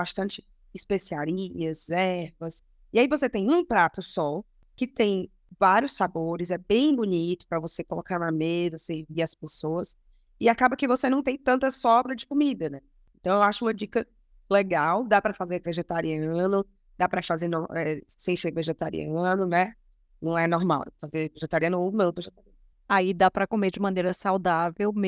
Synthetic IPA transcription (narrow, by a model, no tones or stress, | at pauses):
bast̪ɐ̃t͡ʃɪ̥ | ɪspesiaɾiɐzɛɾvɐs | iaivoset̪ẽj̃ũpɾat̪ʊsɔ | kɪt̪ẽj̃ | vaɾjʊsːaboɾɪzɛbẽj̃bunit̪ʊ̥pɾɐvosekolokaɾnɐmezɐsẽviɾɐspesoɐs | ɪakabɐkɪvosenɐ̃w̃t̪ẽj̃t̪ɐ̃nt̪ɐsɔbɾɐd͡ʒɪkomid̪ɐnɛ | ẽnt̪w̃ewaʃʊũmɐd͡ʒikɐ | leɡawd̪apɾɐfazeɾveʒet̪aɾiɐ̃nʊ | d̪̥apɾɐfazeɾnõw̃ɛsẽj̃seɾveʒet̪aɾḭɐ̃nʊnɛ | nɐ̃w̃ɛnɔɾma̰wfazeɾveʒet̪aɾiɐ̃nʊownɐ̃veʒet̪aɾiɐ̃nʊʊaid̪apɾɐkomed͡ʒɪmɐ̃neɾɐsawd̪avewm